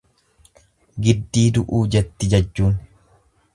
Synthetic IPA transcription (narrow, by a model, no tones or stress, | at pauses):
ɡɪd̪ːiːd̪ʊʔuːd͡ʒɛt̪ːɪd͡ʒɐd͡ʒːuːn